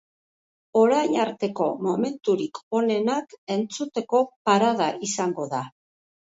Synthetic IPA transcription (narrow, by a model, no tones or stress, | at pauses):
o̞ɾajɲaɾt̪e̞ko̞mo̞me̞nt̪uɾikʰo̞ne̞nake̞nt͡sut̪e̞ko̞paɾaðaʔisaŋɡo̞ða